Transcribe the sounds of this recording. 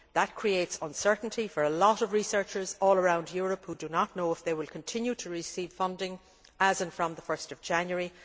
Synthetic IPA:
ðət̚kʰɹ̥ieɪtsə̃nsɜ˞ʔn̩tʰifə˞əlɔɾʌvɹisɜ˞t͡ʃə˞zɔːlˠəɹãʊ̃ndjʊɹəphudənətⁿnoʊɪfðeɪwɪlˠkʰə̃ntʰɪ̃njʉɾʰəɹɪsiːv̥fʌ̃ndɪ̃ŋ | əzə̃nfɹʌ̃mðəfɜ˞stʌvd͡ʒæ̃njəɹi

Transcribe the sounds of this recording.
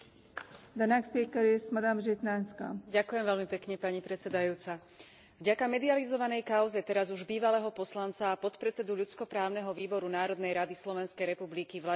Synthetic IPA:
d̪anakspiːkɛɾjɛsmad̪amʒɛt̪nanska̰ɟakujɛmʋɛʎmipɛkɲɛpaɲipɾɛt̪t͡sɛd̪ajuːt͡sa | vɟakamɛd̪ializɔʋanɛjkaʊzɛt̪ɛɾazuʒbiːʋalɛːɦɔpɔslant͡saːpɔt̪pɾɛt͡sɛd̪uʎut͡skɔpɾaːʊnɛɦɔʋiːbɔɾunaːɾɔd̪nɛjɾad̪islɔʋɛnskɛjɾɛpublikiʋla

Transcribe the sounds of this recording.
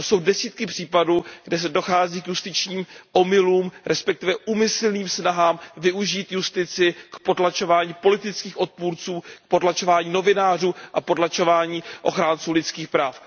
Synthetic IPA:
so̞wdɛsiːt̪kɪpr̥iːpaduːɡdɛs̬ɛdo̞xaːziːkjust̪ɪt͡ʃɲiːmʔo̞mɪluːmɾʔɛspɛk̚t̪ɪvɛʔumɪsl̩niːmsnaɦaːmvɪuʒiːt̪just̪ɪt͡sɪkpo̞dlat͡ʃo̞vaːɲiːpo̞lɪt̪ɪt͡skiːxʔo̞t̪̚puːɾt͡suːk̚po̞tlat͡ʃo̞vaːɲiːno̞vɪnaːr̝uːʔapo̞tlat͡ʃo̞vaːɲiːʔo̞̰xɾaːnt͡suːlɪt͡skiːxpɾaːf

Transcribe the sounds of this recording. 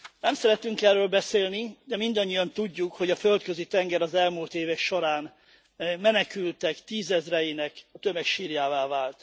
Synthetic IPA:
nɛmsɛɾɛt̪ːyŋkɛrːøːlbɛseːlnid̪ɛmind̪ɒɲːijɒnt̪uɟːukho̞ɟɒfølt̪køzit̪ɛŋɡɛɾɒzɛlmult̪eːvɛkʃo̞ɾaːn | mɛnɛkylt̪ɛkt̪iːzɛzrɛjinɛkɒt̪ø̞mɛkʃiːɾjaːvaːvaːlt̪

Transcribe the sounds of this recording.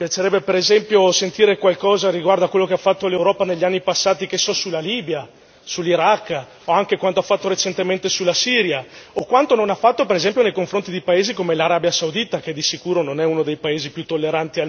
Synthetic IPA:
pjat͡ʃeɾɛbːepeɾezɛmpjosent̪iːɾekwalkɔːzaɾiɡward̪oakwelːokeafːat̪ːolewɾɔːpaneʎːanːipasːaːt̪ikesːɔsulːaliːbja | sulːiɾakː | oaŋkekwant̪oafːat̪ːoɾet͡ʃent̪ement̪esulːasiːɾjaokwant̪ononafːat̪ːopeɾezɛmpjonejkoɱfɾont̪id̪ejpaeːzikomelaɾaːbjasawd̪it̪ak̟ed̪isikuːɾononɛunod̪ejpaeːzipjut̪ːolːeɾant̪ia

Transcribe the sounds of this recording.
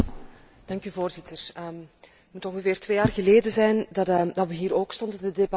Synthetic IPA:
d̥ɑŋkyːvoːrzɪtʰərəm | mutɔŋɣəveːrtʋeːjaːrɣəleːdəzɛjndɑdɑtʋəɦiːɾoːkstɔndəndədebɑ

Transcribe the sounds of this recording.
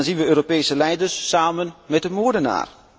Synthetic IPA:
nzinʋəøːɾopeːsəlɛjdərsːaːmənmɛt̚dəmuəɹdəna̰ːr

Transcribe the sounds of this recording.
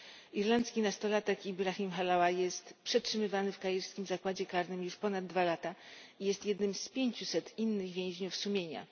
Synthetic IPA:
iɾlant̪skʲinast̪ɔlat̪ɛkibɾaximxalawajɛst̪pʂɛtʂɘmɘvanɘfkajɛɾskʲimzakwad͡ʑɛkaɾnɘmjuʂpɔnad̪ːvalat̪aijɛst̪jɛd̪nɘmspʲjeɲt͡ɕusɛt̪inːɘɣvʲjɛ̃w̃ʑɲufsumʲjeɲa̰

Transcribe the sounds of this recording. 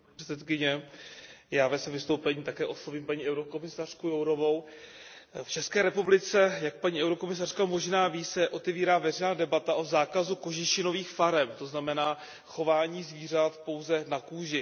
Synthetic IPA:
ɛsɛt̪kɪɲɛ | jaːvɛsɛvɪst̪o̞wpɛɲiːt̪akɛːʔo̞sloviːmpaɲiːʔɛwɾokomɪsar̥kujowɾo̞vo̞w | ft͡ʃɛskɛːɾɛpublɪt͡sɛjak̚paɲiːʔɛwɾo̞komɪs̬ar̥kamo̞ʒnaːviːsɛʔo̞t̪ɛviːɾaːvɛrɛjnaːdɛbat̪aʔo̞zaːkazuko̞ʒɪʃɪno̞viːxfaɾɛmt̪o̞znamɛnaː | xo̞vaːɲiːzviːr̝at̪po̞wzɛnakuːʒɪ

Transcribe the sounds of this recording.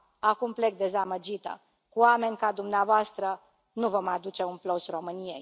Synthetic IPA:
akumple̞k̚d̪e̞zaməd͡ʒit̪ə̰ | kuoame̞nʲkad̪umneavoast̪ɾə | nuvo̞mad̪ut͡ʃe̞unplosro̞mɨniḛj

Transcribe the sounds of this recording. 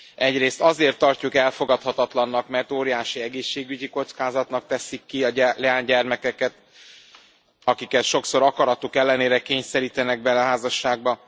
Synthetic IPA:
ɛɟreːst̪ɒzeːrt̪ːɒrcukɛlfo̞ɡɒt̪hɒt̪ɒt̪lɒnːɒkmɛrt̪oːɾijaːʃiɛɡeːʃːeːɡyɟiko̞t̪skaːzɒt̪nɒk̚t̪ɛsikːiɒlɛaːɲɟɛrmɛkɛkɛt̪ | ɒkikɛʃo̞kso̞ɾɒkɒɾɒt̪ukɛlːɛneːɾɛkeːɲsɛɾiːt̪ɛnɛɡ̚bɛnɛɦaːzɒʃːaːɡ̚bɒ

